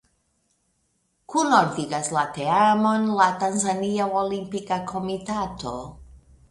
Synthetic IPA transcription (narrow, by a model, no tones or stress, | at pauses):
kunoɾðiɣazlat̪eamonlat̪anzaniawolimpikakʰomit̪at̪o̰